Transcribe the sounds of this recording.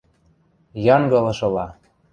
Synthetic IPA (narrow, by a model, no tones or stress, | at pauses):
jɑŋɡɤ̆lɤ̆ʃɤ̆lɑ